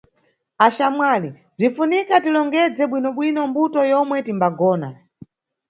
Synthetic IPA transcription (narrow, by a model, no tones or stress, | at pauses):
aʃamwali | b͡ʐinfunikatilɔŋɡɛd͡zɛɓwinɔɓwinɔmbutɔjɔmwɛtimbaɡɔːna